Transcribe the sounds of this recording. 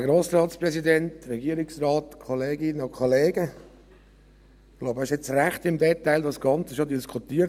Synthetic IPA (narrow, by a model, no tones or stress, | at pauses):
ɡɾoːsɾɑːtsprɛsidɛntɾɛɡiəɾɪksrɑːt̪kʰoleːɡɪnəɔkʰoleːɡə | loʊbæɪʃɛt͡sræχtɪmdɛtaɪldɑsɡ̥ɑnt͡səʃodiskʰut̪iːəɾ